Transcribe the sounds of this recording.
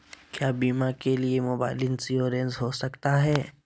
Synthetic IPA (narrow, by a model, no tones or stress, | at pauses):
kjaːbiːmakeliemoːba̰ːɪlɪnsioːɾẽnzɦoːsɐkt̪aɦɛː